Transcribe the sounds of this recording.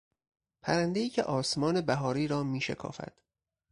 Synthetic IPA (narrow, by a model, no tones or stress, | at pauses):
pʰæɾænd̪e̞iːcʰe̞ʔɒːsmɒːne̞bæɦɒːɾiːɾɒːmiːʃekʰɒ̰ːfæ̰d̪̥